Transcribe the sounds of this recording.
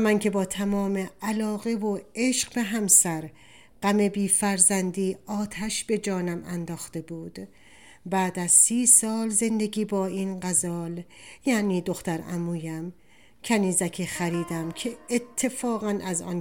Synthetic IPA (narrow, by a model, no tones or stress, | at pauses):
mæncʰe̞bɒːt̪ʰæmɒːme̞ælɒːɣe̞voeʃɢbe̞ɦæmsæɾ | ɢ̥æme̞biːfæɾzænd̪iːɒːt̪ʰæʃb̥e̞d͡ʒɒːnæmæ̰nd̪ɒːxt̪e̞buːd̪̥ | bæːd̪æz̥siːsɒːlze̞nd̪e̞ɡiːbɒːiːnɢæzɒːljæːniːd̪o̞xt̪æɾæ̰muːjæm | cʰæniːzæcʰexæɾiːd̪æmcʰe̞ːt̪ʰːe̞fɒːɣænʔæzɒ̰ːn